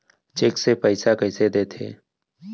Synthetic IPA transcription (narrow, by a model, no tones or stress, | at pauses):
t͡ʃeːksepəɪsakəɪsed̪eːt̪ʰḛː